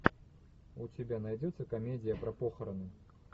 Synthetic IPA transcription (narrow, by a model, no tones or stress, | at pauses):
ut͡sʲibʲɛnajd͡zʲɛt̪sːɐkamʲed͡zʲijɐpɾɐpɔxɐɾɐnɨ